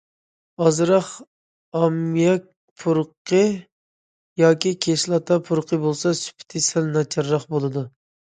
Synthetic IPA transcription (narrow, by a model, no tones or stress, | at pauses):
ɑzɾɑχ | ɑmjɑk̚ʲ | pʰuɾqʰə | jɑːkʲʰikʲʰeʃlˠɑt̪ʰɑpʰuɾqʰəbolˠsɑsy̥pʰt̪ʰɪsɛlnɑt͡ʃʰɑɾːɑχbolˠɨd̪u